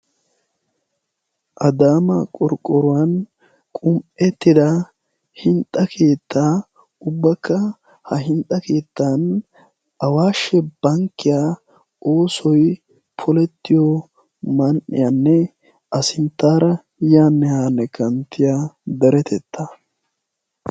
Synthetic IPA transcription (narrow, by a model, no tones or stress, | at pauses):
ʔɐd̪aːmɐkʼɔɾkʼːɔɾʊwɐn | kʼʊmpʼɛt̪ːɪd̪ɐ | hɪnt̪ʼːɐkʰe̞ːt̪ːaː | ʊbːɐkːɐ | hɐɦɪnt̪ʼɐke̞ːt̪ːaːn | ɐwaːʃːɛb̥ɐŋkːɪjaː | o̞ːsɔj | pʰɔlɛt̪ːɪjɔ | mɐnʔɪ̰janːɛ | ʔɐsɪnt̪ːaːɾɐ | jaːnːɛhaːnːɛkɐnt̪ːɪjad̪ɐɾɛt̪ʰɛt̪ːɐ